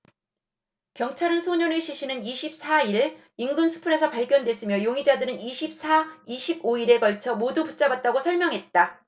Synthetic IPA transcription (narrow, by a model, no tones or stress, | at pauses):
kjʌŋt͡ɕʰaɾɯnsʰoɲʌnɯɭɕʰiɕʰinɯniɕʰip̚s͈ʰaiɾ | iŋɡɯnsʰu̥pʰuɾe̞sʰʌpaɭɡjʌndwe̞s͈ɯmjʌjoŋid͡ʑadɯɾɯniɕʰip̚sʰaiɕʰiboiɾe̞ɡʌɭt͡ɕʰʌmoduput̚t͡ɕ͈abat̚t͈aɡosʰʌɭmjʌŋɦe̞t̚t͈a